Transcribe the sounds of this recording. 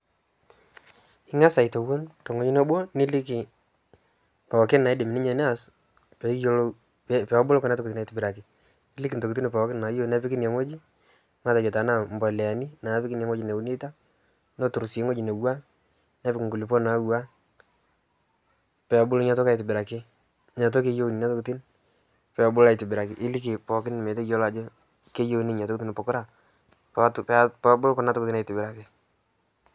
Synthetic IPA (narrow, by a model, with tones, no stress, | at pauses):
ɪ˦ŋa˦sa˨ɪ˨to˨wo˦ntɔ˨ŋo˦ɲi˦no˦bo˦nɪ˦lɪ˦ki˨ | pa˨kɪ˦na˨ɪ˦de˨mɪ˨nɪ˦ɲɛ˨nɛ˦a˨s | pɛ˨˦jo˦l | pɛ˨a˦bʊ˦lɔ˦kɔ˦na˦tɔkti˦na˨i˨tɪ˨bɪ˨ɾa˨kɪ˨ | ɪ˦lɪ˦ki˨nto˨ku˨t̬i˦ni˨pɔ˨˦kɪ˦nna˨˦jo˦˨nɛ˦pɪ˦kɪ˦nja˨ŋo˦d͡ʒi˦ | ma˦˨ta˨t͡ʃɛ˨ta˨˦na˦˨m˨bɔ˨lɛ˨a˨ni˦na˨˦pɪ˦kɪ˦nja˨ŋo˦d͡ʒi˨ne˨u˦n˦e˦ta˦ | nɔ˦tʊ˨ɾse˦ŋo˦d͡ʒɪ˨ne˨wa˦ | nɛ˦pɪkɪ˨ŋɡu˨li˨pɔ˦na˨˦wa˦ | pɛ˨a˨bʊ˦lɲa˨tɔ˦ka˨ɪ˨tɪ˨bɪ˨ɾa˨kɪ˦ | ɲa˨t̬o˦ke˦jo˦wni˨na˦tʊ˦ktɪ˦n | pɛ˨bʊ˦la˨ɪ˨tɪ˨bɪ˨ɾa˨kɪ˦ʔɪ˦li˦k̬ɪ˨pɔ˨k̬ɪ˦n˨me˨te˦jo˦la˦d͡ʒɔ˦ | ke˦jo˦ni˦ɲa˨to˦kti˦n˨pɔ˨kʊ˦ɾa˦˨ | ptppa˦bʊ˦lkɔ˦na˦tʊ˦kʊtna˨itɪ˨bɪ˨ɾa˨kɪ˦